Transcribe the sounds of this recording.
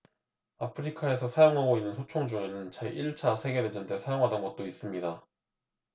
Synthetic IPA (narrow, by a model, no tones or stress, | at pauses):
apʰɯɾikʰae̞sʰʌsʰajoŋɦaɡoinːɯnsʰot͡ɕʰoŋd͡ʑuŋenɯnt͡ɕeʔiɭt͡ɕʰasʰe̞ɡeɾed͡ʑʌntʰesʰajoŋɦadʌnɡʌt̚t͈ois͈ɯmɲida